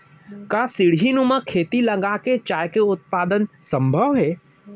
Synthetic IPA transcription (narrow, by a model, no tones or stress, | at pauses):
kasɪɽɦinumə̃kʰeːt̪ilɐɡaket͡ʃaːjkeʊt̪̚paːd̪ənsə̃mbʱəʋɦɛː